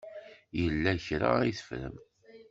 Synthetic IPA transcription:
jəlːæçɾa̰iθə̥fɾə̰m

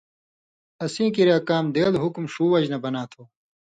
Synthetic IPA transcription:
ɐsĩːkiɾjaːkaːmd̪eːlɦukmɕuːwɐd͡ʑnɐbɐnaːt̪ʰoː

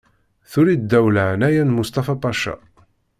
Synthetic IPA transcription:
θuɾid̪ːæwlanæjænmust̪ɑfɑpɑʃɑ̰

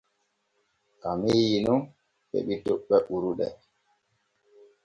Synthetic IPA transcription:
ʔamejinɔn | ɓɛ̰ɓitɔɓːɛʔuɾuɗɛ̰

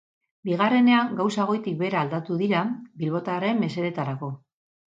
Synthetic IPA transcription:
biɣ̞are̞ne̞aŋɡawsaɣ̞o̞jt̪ik̚be̞ɾaːld̪at̪uðiɾabilβo̞t̪aɾe̞mːe̞se̞ðe̞t̪aɾako̞

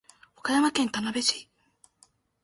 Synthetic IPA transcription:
okajamakẽ̞nt̪anabeɕi

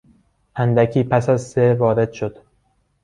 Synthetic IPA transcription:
ʔænd̪ækʰiːpʰæsæzsevɒːɾe̞d̪̥ʃo̞d̪̥

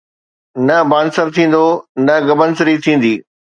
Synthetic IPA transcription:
nɐbaːnsəɾt̪ʰĩːn̆d̪onɐɡɐbənsɪɾit̪ʰĩːn̆d̪iː

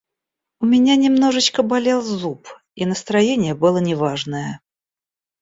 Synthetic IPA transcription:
ʊmʲɪnʲanʲɪmno̞ʐɨt͡ɕkəbɐlʲelˠzup | inəst̪ɾɐjenʲɪjəbɨlˠənʲɪvaʐnəjə

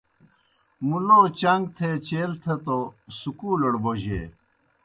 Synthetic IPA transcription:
muloːt͡ɕɐŋɡt̪ʰet͡ɕeːlt̪ʰɐt̪osukuːloɽboʑḛː

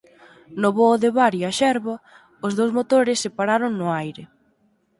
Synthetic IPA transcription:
nʊβoːðɪβaɾjiaʃɛɾβɐ | ʊzðowzmot̪oɾɪsːɪpaɾaɾʊŋnʊajɾɪ

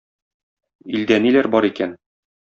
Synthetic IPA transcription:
ild̪ænilæɾbɒɾikæn

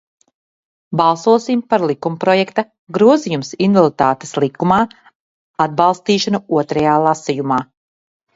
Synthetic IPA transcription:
bɑlˠsuɔsimpaɾlˠikumpɾɔjɛkt̪a | ɡɾuɔzijumsinvalˠit̪aːt̪e̥slˠikumaː | ad̪̚bɑlˠst̪iːʃanuuɔt̪ɾajaːlˠasijumaː

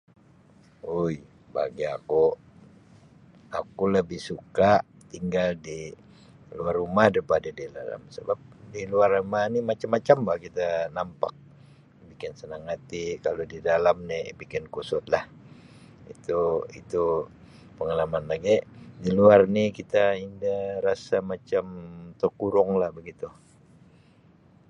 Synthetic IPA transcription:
uj | ba̰ɡiaku | akuləbɪhsukaʔ | t̪iŋɡaldi | luarumahdəpadadida̰la̰msəbap̚diluarumahnimat͡ʃamːat͡ʃambahkit̪anampa̰k̚ | bikɪnsənaŋat̪ikalodidalamnɛbikɪnkusʊt̪lah | ḭt̪uḭt̪u | pəŋalamanlaɡɛʔdiluarnikit̪aindaɾasamat͡ʃamt̪əkuɾʊŋlahbəɡit̪u

